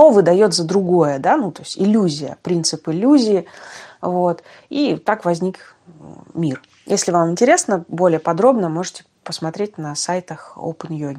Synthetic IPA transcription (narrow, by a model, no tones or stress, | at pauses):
t̪ovɨd̪ɐjo̞t̪zəd̪ɾʊɡo̞jəd̪anut̪o̞sʲtʲɪlʲːuzʲɪjə̰pɾʲint̪sɨpɪlʲːuzʲɪːvo̞t̪ | it̪akvɐzʲnʲik | mʲir | jʔesʲlʲɪvamɪnʲtʲɪɾʲe̞snəbo̞lʲɪjəpɐd̪ɾo̞bnəmo̞ʐɨtʲɪ̥ | pəsmɐt̪ɾʲetʲnəsajt̪əxo̰pənjoɡʲɪ